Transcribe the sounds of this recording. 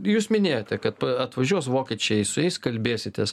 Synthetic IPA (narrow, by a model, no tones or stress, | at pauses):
juːsmʲɪnʲeːjoːt̪ʲɛkɐt̪̚pɐɐt̪ʋɐʒʲuɔsʋoːkʲit͡ʃʲɛɪsʊjɛɪskɐlʲbʲeːsʲɪt̪ʲɛs